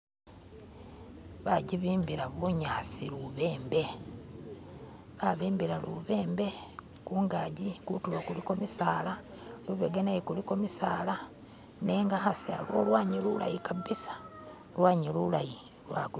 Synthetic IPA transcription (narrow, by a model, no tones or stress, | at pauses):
βaɟiβiːmbiɾaβuɲaːsiluβe̞ːmbe̞ | βaβiːmbiɾalṵβeːmbe̞ | kuːŋɡaɟikutulokuliko̞misaːla | luβeɡenajikuliko̞misaːla | neːŋɡaxasia̰lo̰lwaːɲilula̰jikaβisḁ | lwaːɲilulaji | lwak